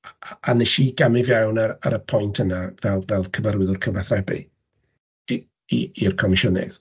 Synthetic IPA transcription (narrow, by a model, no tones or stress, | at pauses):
anɛʃiɡ̥amɪvjawnaɾa̰ɾəpʰɔjntʰənavɛlˠvɛlˠkʰəvəɾwɪðʊrkʰəvaθrɛbɪ̰ | iirkʰɔmɪʃʊnɪ̰θ